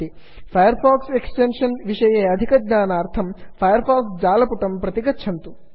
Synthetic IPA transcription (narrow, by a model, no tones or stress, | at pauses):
i | pʰɐjɐɾpʰaːkseksʈenʂɐnʋiʂɐjeːɐd̪ʱikɐd̪ɲaːnaːɾt̪ʰɐmpʰɐjɐɾpaːksd͡ʒaːlɐpuʈɐmpɾɐt̪iɡɐtːt͡ʃʰɐnt̪u